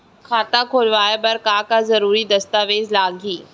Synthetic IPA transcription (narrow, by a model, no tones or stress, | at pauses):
kʰaːt̪akʰoːlʋaːebɐɾkaːkazɐɾuːɾid̪ɐst̪aːʋeːzlaːɡʱiː